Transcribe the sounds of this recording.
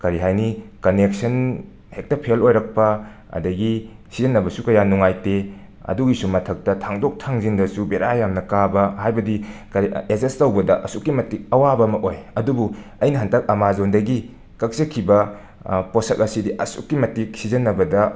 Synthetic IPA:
kɐɾiɦajnikɐnek̚sɐn | hek̚tɐpʰelojɾɐk̚pɐ | ɐ̰dɐɡisizɐnːɐbɐsukɐjanuŋajte | ɐ̰duɡisumɐtʰɐk̚tɐtʰaŋdok̚tʰaŋzindɐsubeɾajamnɐkabɐɦajbɐdikɐɾiezenstɐwbɐdɐʔɐsukːimɐtik̚ɐwabɐmɐʔojɐdubu | ɐjnɐɦantʰɐk̚ɐmazondɐɡi | kɐk̚sɐkʰibɐ | poselɐsidiʔɐsṵkːimɐtik̚sizɐnːɐbɐdɐ

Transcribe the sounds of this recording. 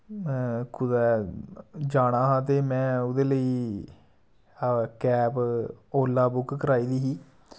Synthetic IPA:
kʰʊd̪ɛː | d͡ʒaːɽ̃aːɦãːt̪eːmɛ̃ːʊd̪eːləiː | kɛːpoːlːaːbʊkkəɾaːiːd̪iːɦiː

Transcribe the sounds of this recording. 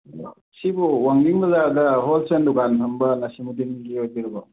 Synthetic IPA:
sibuwaŋdiŋmɐzadɐɦolsendukanpʰɐmbɐnasimudiniɡiojdiɾɐbaw

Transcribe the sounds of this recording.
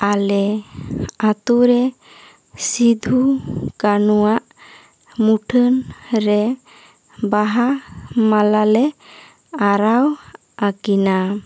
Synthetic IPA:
alɛ | at̪uɾɛ | sid̪ʱukanuwaʔ | muʈʰənɾɛ | baɦamalalɛ | aɾaw | akina

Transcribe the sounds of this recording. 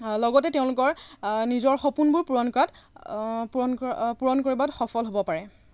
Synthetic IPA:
lɔɡɔtɛteʊ̃lʊkɔɹnizɔɹxɔpunbʊɹpuɹɔnkat | pɔnpuɹɔnkoɹibatxɔfɔlɦobɔpaɹɛ

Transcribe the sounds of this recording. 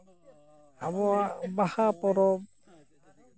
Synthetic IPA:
abɔabahapɔɾɔb

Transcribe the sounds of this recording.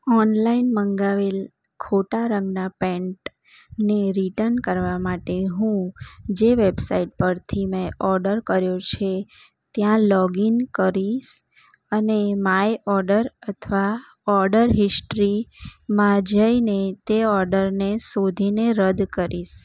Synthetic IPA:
ɔnlainməŋɡaʋel | kʰoʈaɾə̃ŋɡnapɛ̃ɳʈ | neɾiʈəɾnkəɾʋamaʈeɦũd͡ʒeʋebsaiʈ̚pəɾt̪ʰimə̃ʔɔɾɖəɾkəɾjot͡ʃʰe | t̪jãlɔɡinkəɾiʃ | ənemaeʔɔɾɖəɾət̪ʰʋa | ɔɾɖəɾɦɪsʈɾimãd͡ʒəinet̪eɔɾɖəɾnesod̪ʱineɾəd̪kəɾiʃ

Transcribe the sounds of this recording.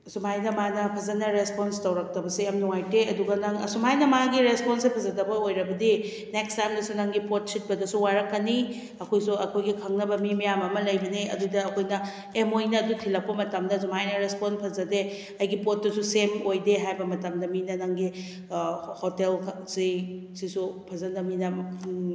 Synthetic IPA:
sumajnɐmanɐpʰɐzɐnɐɾesponstɐwɾɐk̚tɐbɐsejamnuŋajteɐduɡɐnɐŋɐ̰sumajnɐmaɡiɾesponsipʰɐzɐdɐbɐojɾɐbɐdi | nekstajmdɐsunɐŋɡipot̚sit̚bɐdɐsuwaɾɐkːɐni | ɐkʰojsuɐkʰojɡikʰɐŋnɐbɐmimijamɐmɐlɐjbɐniɐ̰dudɐːkʰojnɐ | emojnɐːdutʰilɐk̚pɐmɐtɐmdɐsumhajnɐɾesponpʰɐzɐde | ɐjɡipot̚ːɐsusemojdeɦajbɐmɐtɐmdɐminɐnaŋɡi | hotelsi | sisupʰɐzɐndɐminɐ

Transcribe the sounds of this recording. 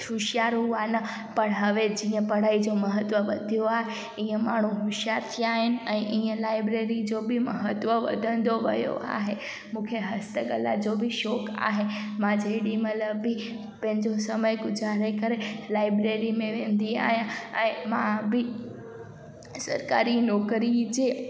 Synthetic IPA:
hʊʃjaːɾɦuaːnɐ | pɐɽ̃ɦɐʋed͡ʑiːə̃pɐɽ̤aːid͡ʑomɐɦət̪ʋəʋɐd̪ʱijoaːɦe | iːə̃maːɳ̤uɦʊʃɪjaːɾt̪ʰiaːɦɪnɪ̆ɛ̃ːʔiːə̃laːɪbɾeːɾid͡ʑobɪmɐɦət̪ʋəʋɐ̰d̪ʱə̃nd̪oʋɐ̰jo̰a̰ːɦe | mũːkʰeɦɐst̪əɡəla̰d͡ʑobɪʃɔːka̰ːɦe | mãd͡ʑeɽimɐt̪ləbːɪ | pɐ̃ɦɪ̃ɲd͡ʑosɐməjɡʊd͡ʑaːɾekɐɾelaːɪbɾeːɾimẽʋẽːnd̪ia̰ːɦijãɛ̃ːmã̰bɪ | sɐ̰ɾka̰ːɾinɔːkɾid͡ʑeː

